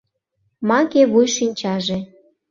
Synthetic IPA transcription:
mɑkeβujʃinʲt͡ɕɑʒe

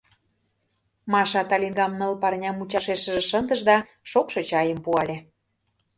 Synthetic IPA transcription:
mɑʃɑt̪ɑlʲinɡɑmnɤ̆lpɑrnʲɑmut͡ɕɑʃeʃə̆ʒĕʃənd̪əʒd̪ɑ | ʃokʃot͡ɕɑjəmpuɑlʲe

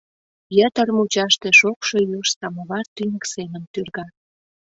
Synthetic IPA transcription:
jət̪ərmut͡ɕɑʃt̪eʃokʃo̽joʃsɑmoβɑrt̪ynʲə̆ksenə̆nt̪yrɣɑ

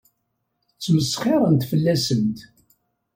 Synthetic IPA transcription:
t͡sːməsχɪɾˤənt̪fəlːæsənt̪

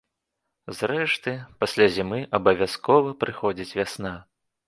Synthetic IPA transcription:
zɾɛʂt̪ɨpasʲlʲazʲimɨʔɐbɐvʲaskɔvɐpɾɨxɔd͡zʲit͡sʲvʲasna

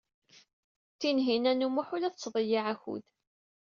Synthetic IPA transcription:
θinɦinænumʊħʊlæθət͡sːðˤəjiʕæçṵð

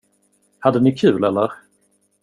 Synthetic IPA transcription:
had̪ənɪkʰʉ̟ːlɛlːə̰ɾ

